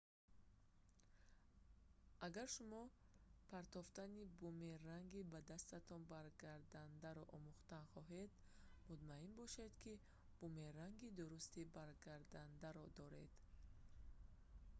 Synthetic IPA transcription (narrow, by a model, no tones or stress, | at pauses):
aɡaɾʃumɔpʰaɾt̪ɔft̪anibumeraŋɡibad̪ast̪at̪ʰɔnbaɾɡaɾd̪and̪aɾɔʔɔmuχt̪anχɔɦed̪ | mut̪mainbɔʃe̞d̪kʰi | b̥umeɾaŋɡid̪uɾust̪ibaɾɡaɾd̪and̪aɾɔd̪ɔɾe̞̰d̪̥